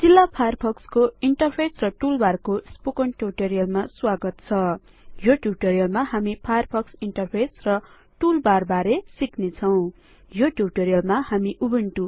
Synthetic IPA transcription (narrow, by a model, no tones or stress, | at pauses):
d͡zilːapʰajʌrpʰʌkskoiɳʈʌrpʰesrʌʈulbarkospokʌnʈjuʈʌɾijʌlmaswaɡʌt̪̚t͡sʰʌ | joʈjuʈʌɾijʌlmahamipʰajʌrpʰʌksiɳʈʌrpʰesrʌ | ʈulbarbaɾesiknet͡sʰʌw̃ | joʈjuʈʌɾijʌlmahamiʔubeɳʈu